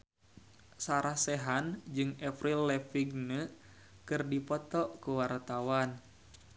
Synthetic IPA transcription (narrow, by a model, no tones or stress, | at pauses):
saɾahsɛɦand͡ʒɨŋɛfɾilːɛfiɡ̚nə | kɨrdipɔt̪ɔʔkuwart̪awan